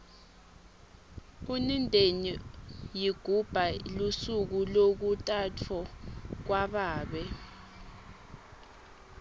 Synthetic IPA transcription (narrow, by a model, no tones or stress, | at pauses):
unindʱenijiɡ̥ʱub̥ʱalusuk̬ulok̬utʼatʰɔk̬waɓaːɓɛ